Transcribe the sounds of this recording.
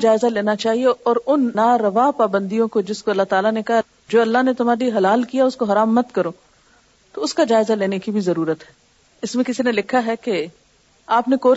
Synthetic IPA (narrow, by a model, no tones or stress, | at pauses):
d͡ʒaːɪzaleːnat͡ʃaːɦieɔːɾʊnnaːɾɐʋaːpaːbə̃nd̪ijõkod͡ʒɪskoɐlːaɦt̪aːlanekɐɦa | d͡ʒoːɐlːaɦnet̪ʊm̤aːɾiɦɐlaːlkijaʊskoɦɐɾaːmːɐt̪kɐɾoː | t̪oʊskad͡ʒaːɪzaleːnekibʱizɐɾuːɾət̪ɦɛ̥ | ɪsmẽkɪsinelɪkʰːaɦɛke | aːpnekoː